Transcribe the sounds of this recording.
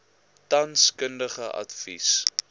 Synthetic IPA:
tɐnskəndəχəʔɐ̰tfḭs

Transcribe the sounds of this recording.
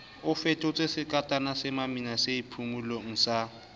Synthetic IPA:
ʊfɛtʼʊt͡sʼesɪkʼatʼanasɪmaminaseipʰumulɔŋ̩sa

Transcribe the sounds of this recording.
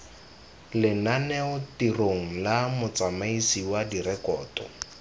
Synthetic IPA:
lɪnanɛʊtiroŋ̩lamʊt͡samaisiwadirɛkɔːtɔ̰

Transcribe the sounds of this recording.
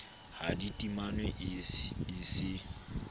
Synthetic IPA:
haditʼimanwɛʔ | isɪ

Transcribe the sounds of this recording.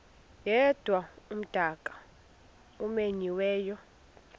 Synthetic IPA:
jɛd̥ʱwaum̩d̥ʱakʼḁ | umeɲiwɛːjɔ

